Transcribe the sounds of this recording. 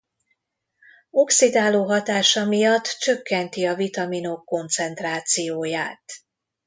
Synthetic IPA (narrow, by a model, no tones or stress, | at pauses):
o̞ksid̪aːloːɦɒt̪aːʃɒmijɒt̪ːt͡ʃø̞kːɛnt̪iɒvit̪ɒmino̞kːo̞nt̪sɛnt̪raːt̪sijoːjaːt̪